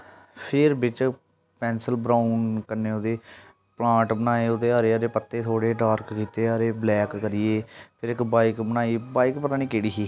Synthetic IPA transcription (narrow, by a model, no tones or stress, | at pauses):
pʰɪɾbɪt͡ʃ | pɛ̃ːnsəlbɾaːʊnkəneːʊd̪eː | plãːʈbənaːeːʊd̪eːaːɾeːəɾeːpət̪ːeːt̪ʰoːɽeːɖaːɾkkiːt̪eːaːɾeːblɛːkːəɾɪjeːpʰɪɾɪkbaːikbənaːiːbaːikpət̪aːnĩːkeːɽiːɦiː